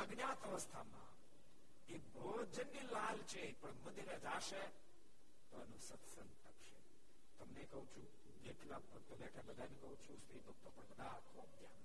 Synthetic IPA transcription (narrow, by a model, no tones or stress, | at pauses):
əɡnjat̪əʋəst̪ʰamã̰ | ebʱod͡ʒənːilalt͡ʃʰepəɳməd̪iɾed͡ʒaʃe | t̪oənũsət̪sənt̪əkʃe | t̪əmnekəɦũt͡ʃʰũ | d͡ʒeʈlap | t̪əmẽakebəd̪ʱajnũkəɦũt͡ʃʰũsit̪ok̚t̪opəɳbəd̪ʱakʰobd̪ja̰n